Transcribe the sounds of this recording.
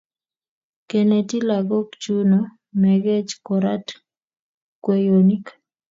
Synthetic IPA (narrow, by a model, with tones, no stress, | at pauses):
ke˨ne˨ti˦la˨ɡɔ˦kt͡ʃu˦no˨ | mɛ˨ɡe˦t͡ʃkɔɾa˦t | kwe˦joni˦k